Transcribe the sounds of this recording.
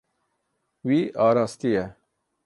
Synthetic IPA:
wiaːɾaːst̪ie

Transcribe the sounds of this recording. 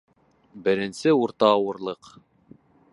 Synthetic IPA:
bɘ̆ɾɘ̆nsɘuɾt̪ɑːwɤ̆ɾlˠɤq

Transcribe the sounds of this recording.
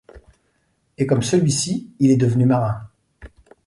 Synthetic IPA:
ekɔmsəlɥisiːlɛd̪əvənymaʁɛ̃

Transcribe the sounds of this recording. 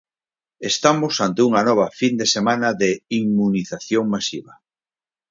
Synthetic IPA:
est̪amʊsant̪euŋɐnɔβ̞ɐfind̪esemãnɐðeimuniθaθjoŋmasiβɐ

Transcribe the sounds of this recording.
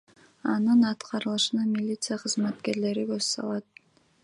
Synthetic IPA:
ɑnɯnɑt̪qɑɾɯlˠɯʃɯnɑmʲilʲit̪sɨjaqʰɯzmɑt̪ke̞ɾle̞ɾiɡøzsɑ̰lˠɑt̪̚

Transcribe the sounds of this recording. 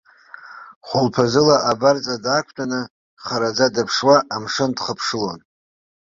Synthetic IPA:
χʷʊlpʰazɨlaʔabart͡sʼadakʷʰtʷʼanɨ | χaɾad͡zadapʰʂwaʔːmʂɨndχəpʰʂɨlon

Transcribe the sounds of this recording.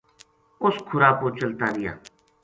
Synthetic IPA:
ʊskʰʊɾaːkoːt͡ʃəlt̪aːɾɪja̰ː

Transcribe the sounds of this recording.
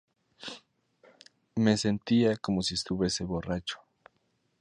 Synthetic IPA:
me̞se̞nt̪iako̞mo̞siest̪uβje̞se̞βo̞rat͡ʃo̥

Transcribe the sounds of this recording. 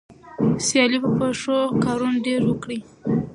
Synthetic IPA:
sjɑlibəpeʂokɑɾunɖeɾwəkɽi

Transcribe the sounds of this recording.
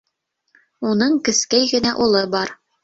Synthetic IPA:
unɤɴkɘ̆skæjɡɘ̆næʔulˠɤbɑɾ

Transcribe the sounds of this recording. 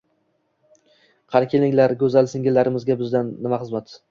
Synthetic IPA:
qʰɑɾkʲʰelɪŋlaɾɡʲɵzalˠsɪŋʲɪlːaɾɪmɪzɡʲabɪzd̪anːɪmaχɨzmat̪

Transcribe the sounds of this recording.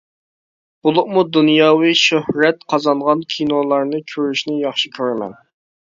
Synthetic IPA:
b̥ulˠʊqmud̪unjɑːwɨʃøhɾɛt̪qʰɑzɑɴʁɑnkʲʰinolˠɑɾnɨkʲʰøɾyʃnɪjɑχʃikʲʰøɾɪmɛ̰n

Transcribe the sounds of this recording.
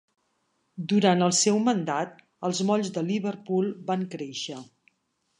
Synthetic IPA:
d̪uɾanəlˠsɛwmənd̪at̪̚ | əlˠzmɔʎzd̪əliβəɾpulˠbaŋkɾeʃə

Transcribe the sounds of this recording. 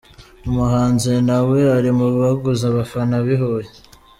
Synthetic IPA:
umuɦaːnzenawe̞aɾimuββaɡuzaβafanaβiɦoje

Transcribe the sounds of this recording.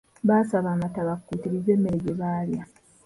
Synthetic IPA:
βaːsaβaːmataβakkːutiɾizemːeɾeɟeβaːlja

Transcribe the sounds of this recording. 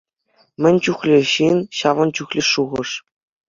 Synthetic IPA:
mʲɘ̆nʲt͡ɕuχlʲeɕinʲɕɑʋɤ̆nt͡ɕuχlʲiʂuʁɤ̆ʂ

